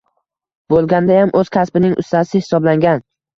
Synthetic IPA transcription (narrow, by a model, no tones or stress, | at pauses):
bolˠɡʲand̪ajamʔɵz̥kʲʰaspɪnɪŋʔʊ̰st̪asɪhɪ̥sɒblaŋɡʲan